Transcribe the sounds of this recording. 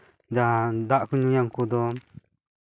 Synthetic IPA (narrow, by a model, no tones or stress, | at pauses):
d͡ʒad̪aʔkuɲujaŋkud̪ɔ